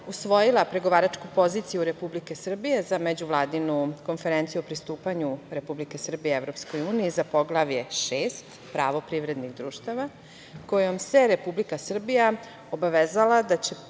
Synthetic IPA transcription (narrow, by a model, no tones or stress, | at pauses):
usʋo̞jilˠapɾe̞ɡoʋaːɾat͡ʃkupo̞ziːt̪sijuɾe̞publike̞sr̩bije̞zame̞d͡ʑuʋlˠaːd̪inuko̞nfe̞ɾent̪sijuopɾist̪uːpaɲuɾe̞publike̞sr̩bijeevɾo̞psko̞juːniizapo̞ɡlaʋje̞ʃeːst̪ | pɾaʋo̞pɾiʋɾe̞d̪niɣd̪ɾuːʃt̪aʋa | ko̞jomse̞ɾe̞publikasr̩bija | o̞baʋeːzalad̪at͡ɕe